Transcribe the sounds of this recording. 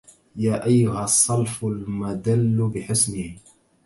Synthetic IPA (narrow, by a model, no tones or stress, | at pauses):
jaːʔajːʊhasˤːɑlfʊlmad̪alːʊbɪħʊsnɪh